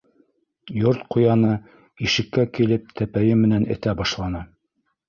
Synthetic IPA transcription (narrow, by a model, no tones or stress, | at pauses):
joɾt̪qujɑnɤ | iʃɘ̆kːækilɘp̚t̪ʰæpæjɘmɘ̆nænɘ̰̆t̪æbɑʃlˠɑnɤ